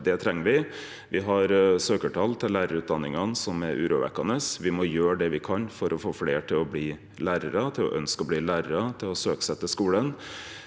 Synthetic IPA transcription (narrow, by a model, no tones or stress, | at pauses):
d̪ɛt̪ʰɾɛŋːəʋɪ | ʋɪɦɑɾsøːkəʈʰɑlt̪ʰɪllːæːɾəɾʉːt̪̚d̪ɑnːɪŋɑnsɔmɛɾʔʉ̰ːɾuʋɛ̰kːɑnəsʋɪmɔjøːɾɖ̪ɛʋɪkʰɑnfɔɾʔɔfoːfleːʈʰɪlɔbliː | læːɾəɾət̪ʰɪlɔ̰ʔœnskɔbliːlæːɾəɾɑt̪ʰɪlɔsøːksɛt̪ːəskuːlən